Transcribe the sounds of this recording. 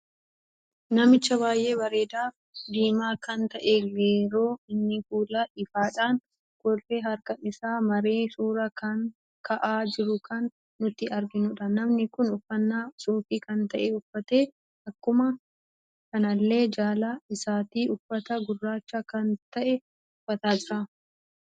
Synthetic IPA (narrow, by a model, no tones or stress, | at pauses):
nɐmɪt͡ʃːɐβaːjʔe̞ːbɐɾe̞ːd̪aːf | d̪iːmaːkɐnt̪ɐʔɛɡeːɾoːɪnːɪfuːlɐᶑɪfaːᶑaːn | ɡ̥ɔrːeɦɐɾkɐnɪsaːmɐɾe̞ːsuːɾɐkɐn | kʰɐʔaːd͡ʒɪɾʊkʰɐnː | ʊt̪ɪɐɾɡɪnʊᶑɐnɐmnɪkʊnʊfːɐnːaːsoːfiːkɐnt̪ɐʔɛʊfːɐt̪eː | ɐkːʊmɐ | kɐnɐlːe̞ːd͡ʒaːlaːɪsaːt̪iːʔʊfːɐt̪ɐɡʊrːaːt͡ʃːɐkɐnt̪ɐʔɛ | ʊfːɐt̪aːd͡ʒɪɾɐ